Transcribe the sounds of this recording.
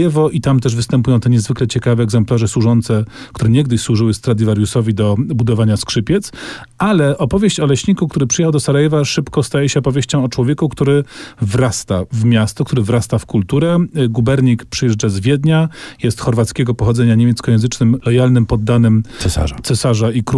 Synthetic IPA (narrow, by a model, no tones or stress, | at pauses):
jɛvɔʔit̪amt̪ɛʐvɘst̪ɛmpujɔ̃w̃t̪ɛɲɛzvɘklɛt͡ɕɛkavɛːɡzɛmplaʐɛswuʐɔnt̪sɛkt̪uɾɛɲɛɡ̚d̪ɘɕswuʐɘwɘst̪ɾad̪ʲivaɾjusɔvʲid̪ɔbud̪ɔvaɲaskʂɘpʲjɛt̪s | alɛʔɔpɔvʲjeɕt͡ɕɔlɛɕɲikukt̪uɾɘpʂɨjɛhawd̪ɔsaɾajɛvaʂɘpkɔst̪ajɛɕɛɔpɔvʲjeɕt͡ɕɔ̃w̃ɔt͡ʂwɔvʲjɛkukt̪uɾɘvɾast̪avmʲjast̪ɔk̚t̪uɾɘvɾast̪afkult̪uɾɛɡubɛɾɲikpʂɨjɛʐd͡ʐazvʲjɛd̪ɲajɛst̪xɔɾvat̪skʲɛɡɔpɔxɔd̪zɛɲaɲemʲɛt̪skɔjɛ̃zɘt͡ʂnɘmlɔjalnɘmpɔd̪ːanɘm̰at̪sɛsaʐaik